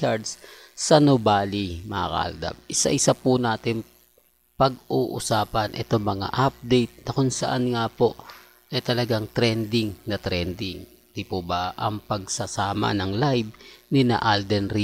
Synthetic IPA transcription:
ad̪s | sɐnobaːlimɐa̰kɐ̰ʔɐ̰ld̪a̰b̚ʔɪsa̰ʔɪsapʊnaːt̪ɪn | pɐɡ̚uːʔʊsaːpɐnʔɛt̪o̞ŋmɐŋa̰ʔap̚d̪ɛjt̪̚nɐkʊŋsɐʔanŋaːpo̞ʔ | ʔɛt̪ɐlɐɡaŋt̪ɾɛnd̪ɪŋnɐt̪ɾɛnd̪ɪŋ | t̪ipobaʔɐŋpɐɡ̚sɐsaːmɐ̰nɐŋlajb̚nɪna̰ʔald̪ɛnɾi

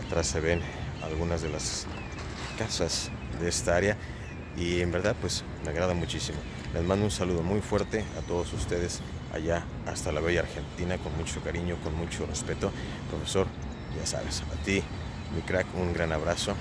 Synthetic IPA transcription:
at̪ɾasːe̞βe̞n | alɣunazðe̞las | kasas | ðeest̪aaɾja | iembe̞ɾðaðpwe̞s | me̞aɣɾaðamut͡ʃisimo̞ | lʔe̞zmãnd̪ounsaluð̞omujfwe̞ɾt̪e̞a̰t̪o̞ðosust̪e̞ð̞e̞s | a̰ʝaː | st̪alaβeʝaɾxe̞nt̪inako̞nmut͡ʃo̞kaɾiɲo̞ko̞nmut͡ʃo̞re̞spe̞t̪o̞ | pɾo̞fe̞so̞ɾ | ɟ͡ʝasa̰βe̞̰sat̪i | mikɾakuŋɡɾanaβɾaso̞

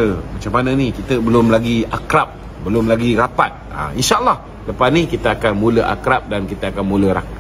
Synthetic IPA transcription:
əmat͡ʃamːanənĩkit̪əbəlʊmlaɡiakɾap̚ | bəlʊmlaɡiɾapat̪̚a̰inʃaʔəlːɑh | ləpasnĩkit̪əakanmũləʔa̰kɾap̚dankit̪əakanmũləɾa̰k

